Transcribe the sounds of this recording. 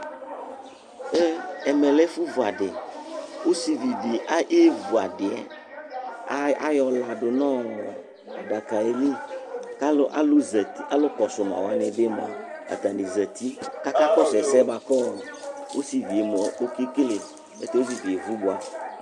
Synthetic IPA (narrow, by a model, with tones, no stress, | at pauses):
e˦ɛ˨mẽ˨lɛ˦fu˦vu˨a˨ɖḛ˨wo˦si˨vi˨bi˨ʔa˦ʔe˦vu˨a˨ɖe˨a̰˨˦ | a˦jɔ˨la˨ɖo˨nɔ̃˦˨ | a˨ɖa˨ka˨e˨li˦ka˦lo˦ʔa˦lo˦zɛ˨t̪i˦a˦lo˦kɔ˨sʊ˨ma̰˨wa̰˨nɛ̃˨be˦mɔ̰̃˨a̰˨t̪ã˨ni˨zɛ˨t̪i˦ka˦ka˦kɔ˦sɛ˨sɛ˦ba˨kɔ˦˨wʔo˦si˨vi˨e˨mɔ˨o˦ki˦kle˨ | ḛ˦t̪e˦o˦si˨vi˨e˨vu˦bo˨a˨